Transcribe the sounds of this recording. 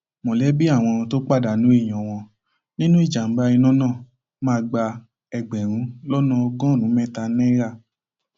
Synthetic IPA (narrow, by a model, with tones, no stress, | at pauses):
mɔ̃˨lɛ˨˦bi˦a˦˨w̃ɔ̃˧to˦k͡pa˦˨da˨nũ˨˦e˦˨j̃ɔ̃˨w̃ɔ̃˧ | nĩ˦nũ˦i˦˨d͡ʒa˨m̩˨˦ɡ͡ba˧i˧nɔ̃˦nãː˦˨ | mãː˧ɡ͡ba˧ | ɛ˧ɡ͡bɛ˨ɾ̃ũ˨˧˦lɔ˦nɔ̃˧ɔ˧ɡɔ̃˦˨nũ˨˦mɛ̃˦ta˧nɛ̃˦ɾa˦˨